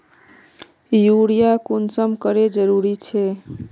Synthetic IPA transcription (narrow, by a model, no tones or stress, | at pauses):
juɽijakunsəmkəɾed͡ʒəɾuɾit͡ʃʰe